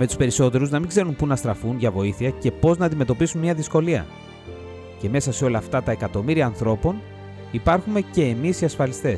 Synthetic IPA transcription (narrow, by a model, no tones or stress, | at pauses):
me̞t̪uspe̞ɾiso̞t̪e̞ɾuznɐmiɡze̞ɾumpunɐst̪ɾɐfunʝɐvo̞iθiɐce̞po̞znɐːnd̪ime̞t̪o̞pisunmiɐðisko̞liɐ̰ | ce̞me̞sɐse̞o̞lɐːft̪ɐt̪ɐe̞kɐt̪o̞miɾiɐːnθɾo̞po̞n | ipɐɾxume̞ce̞ːmisiɐsfɐlist̪e̞s